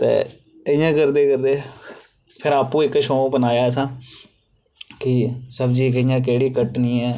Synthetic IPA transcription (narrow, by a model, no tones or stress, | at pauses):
t̪ḛː | əjãːkəɾd̪eːkəɾd̪eː | pʰɪɾaːpũːɪkʃoːbənaːjaːɛsãː | kɪsəbd͡ʒiːk̬əɪjãːk̬eːɽiːkəʈniːɛː